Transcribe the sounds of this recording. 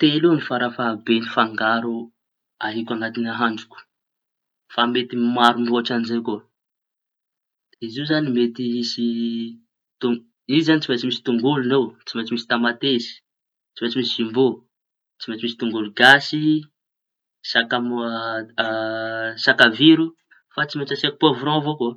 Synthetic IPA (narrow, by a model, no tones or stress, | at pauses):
t̪elunifaɾafaabenifaŋɡaɾu | aɦikʲanat̪inaɦaɳɖ͡ʐukʲu̥ | famet̪imaɾuɳɖ͡ʐuaʈ͡ʂanizeko | izizanimet̪iisi | t̪u | izanit͡simajt͡simisi̥t̪uŋɡulunowt͡simajt͡simisi̥t̪amat̪esi̥ | t͡simat͡simisiimbo | t͡simat͡simisi̥t̪uŋɡuluɡasi | sakam | sakaviɾu | fat͡simet͡ʃaseku̥pavuɾɔ̃voko